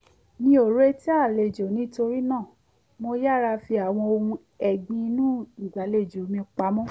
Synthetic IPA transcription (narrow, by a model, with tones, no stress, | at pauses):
nĩ˧o˨ɾe˦ti˦a˦˨le˨d͡ʒo˨nĩ˦to˧ɾi˦nãː˦˨ | mo˧ja˦˨ɾa˧fi˧a˨w̃ɔ̃˧o˧ũ˧ | ɛ˨ɡ͡bĩ˧nũ˦i˨ɡ͡ba˨˦le˨d͡ʒo˨˦mĩ˧k͡pa˨˦mɔ̃˦